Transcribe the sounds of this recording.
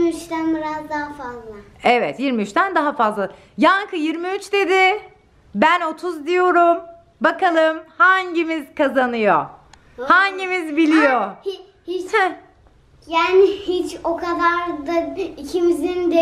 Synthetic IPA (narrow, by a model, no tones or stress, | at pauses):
miyt͡ʃt̪ænbiɾazd̪aɦafazlˠa | ɛvɛt̪jiɾmiyt͡ʃt̪ʰænd̪aɦafazlˠa | jankʰɯjiɾmiyt͡ʃd̪e̞d̪ɪ | bæno̞t̪ʰuzd̪ijo̞ɾum | bakalˠɯmhaɲɟimiz̥kʰazanɯjo | haɲɟimizbilʲijohi | hih | jaːnɪhit͡ʃokʰad̪aɾd̪ad̪icʰimizind̪ɛ